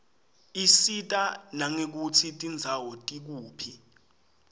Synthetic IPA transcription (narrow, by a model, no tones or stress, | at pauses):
isitʼanaŋek̬ut͡sʰitʼind͡zʱawɔtʼik̬uːpʰi